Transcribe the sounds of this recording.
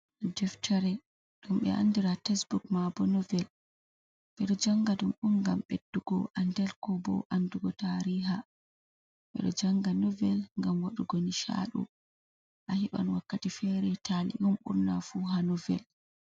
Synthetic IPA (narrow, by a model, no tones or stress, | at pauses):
d͡ʒɛftʰaɾɛ | ɗumɓɛ̰ʔa̰ndiɾatɛsbukmabɔnɔvɛl | ɓɛɗɔd͡ʒaŋɡaɗumɗumɡamɓedːuɡ̥ɔʔandɛlkɔbɔ̰ʔanduɡɔtaɾiːɦa | ɓɛ̰ɗɔd͡ʒaŋɡanɔvɛlŋɡamwaɗuɡoniʃa̰ɗṵ | ʔahiɓa̰nwakːatifɛɾɛtʰalḭʔumɓṵɾnafuɦanɔvɛ̰l